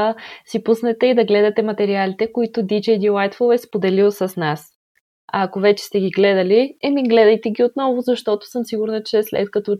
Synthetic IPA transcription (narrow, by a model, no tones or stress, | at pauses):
sipusnɛt̪ɛid̪ɐɡlɛd̪ɐt̪ɛmɐt̪ɛɾialit̪ɛkoit̪ʊd̪id͡ʒɛjd̪ilajt̪foɛspod̪ɛlilˠsɐsnas | aːkovɛt͡ʃɛ̥st̪ɛɡʲiɡlɛd̪ɐliɛmiɡlɛd̪ɐjt̪ɛɡʲiot̪nɔvʊzɐʃt̪ɔt̪ʊ̥sɤmsiɡʊɾnɐt͡ʃɛslɛ̰t̪̚kɐt̪ɔ